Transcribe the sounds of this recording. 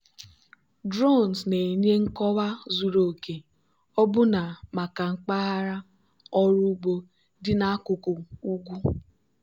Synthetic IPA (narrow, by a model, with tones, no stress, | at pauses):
dɾo˦˨n˨sne˨e˨ɲ˦e˦ŋ̩˦kɔ˦wa˦zu˨ɾo˨ke˨ | ɔ˦bʊ˦na˨ma˨ka˨ŋ͡m̩˨k͡pa˦ɦa˦ɾa˦ | ɔ˦ɾʊ˦bo˦ | dɪ˦na˦a˦kʊ˨kʊ˨u˦ɡʷu˦